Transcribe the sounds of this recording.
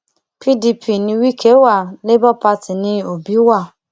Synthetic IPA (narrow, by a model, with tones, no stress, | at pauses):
pʰi˦di˧˦pʰi˨nĩ˧wi˦kʰe˦wa˦˨le˦bɔ˦pa˦ti˨nĩ˧o˨bi˨˦wa˦˨